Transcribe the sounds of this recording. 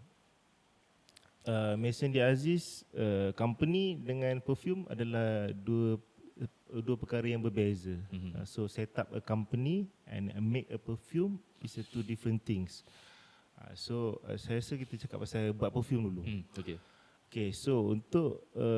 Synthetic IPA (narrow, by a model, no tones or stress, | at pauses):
əmɛsəndiazisəkampənidəŋãnpəfjuma̰dalahduə | duəpəkaɾəjaŋbərbezə̰soset̪ap̚ə̰kampəniʔɛ̰̃na̰mekəpəfjumwisət̪udifɾənt̪ɪŋs | a̰soə̰sajasəkit̪ət͡ʃaka̰pːasalbuat̪̚pəfjumduluoke | okesount̪ʊʔə